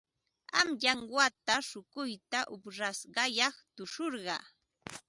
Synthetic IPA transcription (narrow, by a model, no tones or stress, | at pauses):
a̰mʎaŋwat̪aʃʊkʊjt̪aʔʊpɾasɢɑjɑχt̪ʊʂoɾɢɑ̰